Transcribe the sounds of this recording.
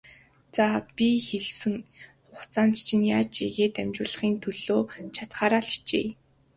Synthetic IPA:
t͡sapʲixeɮsɘ̆ŋ | ʊχt͡sʰaːnt͡st͡ɕʰɪ̆njaːt͡ɕeɣeːt̪æmt͡ɕʊːɮə̆χiːnt̪ʰɵɮoːt͡ɕʰat̪χaːɾaːɮi̥t͡ɕḛː

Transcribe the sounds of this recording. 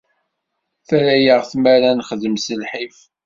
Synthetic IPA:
θæɾæjəʁθmæɾænχəðəmsəlħif

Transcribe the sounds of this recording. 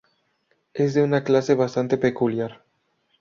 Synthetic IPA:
ezðeunaklaseβast̪ant̪epekuljaɾ

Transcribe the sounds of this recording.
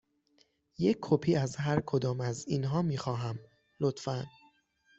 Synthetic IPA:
jecʰːopʰiːæzɦæɾkʰo̞d̪ɒːmæziːnɦɒːmiːxɒːɦæm | lot̪fæn

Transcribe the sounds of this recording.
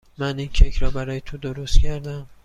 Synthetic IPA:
mæniːncʰecʰɾɒːbæɾɒːjet̪ʰod̪oɾost̪cʰæɾd̪æm

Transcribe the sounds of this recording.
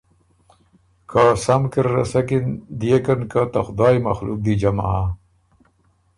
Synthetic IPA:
kʰasɐmkiɾːɐ̰sɐkind̪ijekɐnkat̪axʊd̪ɑːjmɐ̰xlṵk̚d̪id͡ʑama̰a

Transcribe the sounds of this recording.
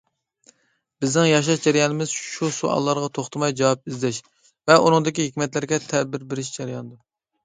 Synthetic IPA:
b̥ɪznɪŋjɑʃ̬ɑʃd͡ʒæɾijɑnɨmɪz̥ʃusuɑ̰lˠːɑɾʁɑt̪ʰoχt̪ʰɨmɑjd͡ʒɑwɑp̚izlɛʃ | vɛʔunɨŋd̪ɪkʲiɦɪkʲmɛt̪lɪɾɡʲɛt̪ʰɛbɪɾbɪɾɪʃd͡ʒæɾɪjɑnɨd̪ɑ

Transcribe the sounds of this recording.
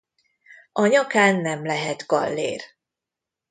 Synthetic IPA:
ʔɒɲɒkaːnːɛmlɛɦɛt̪ɡɒ̰lːḛːr

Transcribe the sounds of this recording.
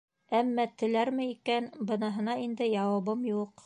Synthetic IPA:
æmːæt̪ɘ̆læɾmɘikænbɤ̆nɑɦɤ̆nɑind̪ɘjɑwɑβɤmjuq

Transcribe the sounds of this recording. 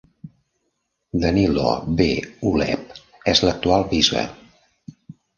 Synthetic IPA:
d̪ənilo̰beulɛ̰p̚ | ɛzlək̚t̪ualˠβizβə̰

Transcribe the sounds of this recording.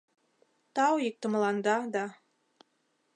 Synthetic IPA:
t̪ɑwik̚t̪ə̆mlˠɑnd̪ɑd̪ɑ

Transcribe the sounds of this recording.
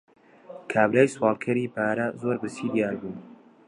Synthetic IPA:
kʰaːbɾaːjswɑːlˠkʰɐɾiːpʰaːɾɐzoːɾbɨsiːd̪ijaːɾbuːn

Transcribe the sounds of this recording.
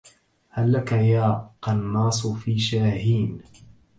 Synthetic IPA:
halːakajaːqɑnːɑːsˤfiːʃaːɦiːn

